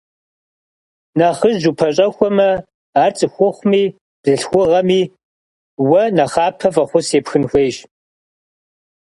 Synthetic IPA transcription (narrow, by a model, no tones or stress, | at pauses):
nɐχəʒʒupʰɐɕʼɐxʷɔmɐ | aːrt͡sʼɨxʷʊχʷmiː | d̥ɨɬxʷʊʁɐmiː | wɐnɐχɑːpʰɐfʼɐχʷʊseːpxɨnxʷeːʒ